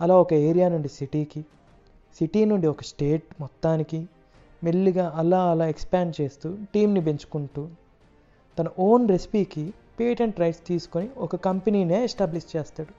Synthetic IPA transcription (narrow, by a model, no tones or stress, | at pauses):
ɐlaːɔkɐe̞ːɾijaːnuɳɖisiʈiːki | siʈiːnuɳɖiɔkɐsʈe̞ːʈ̚mɔt̪ːaːniki | melːiɡaːɐlaːɐlaːekspaːɳɖt͡ʃe̞ːst̪uːʈiːmnibeɲt͡ʃu̥kuɳʈuː | t̪ɐnɐʔo̞ːnɾesi̥piːki | peːʈeɳʈɾɐjʈst̪iːsu̥koniɔkɐkɐmpeniːneːɛsʈaːbliʃt͡ʃeːst̪aːɽu